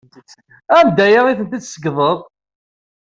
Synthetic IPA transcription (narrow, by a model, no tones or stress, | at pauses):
ænd̪æjəʁiθənt̪it͡sːsəɡðˤəðˤ